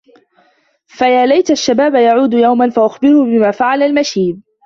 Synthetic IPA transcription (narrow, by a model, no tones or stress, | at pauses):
fajaːlajt̪aʃːabaːbajaʕuːd̪ʊjawmanfaʔʊxbɪɾʊbɪmaːfaʕalalmaʃiːd̚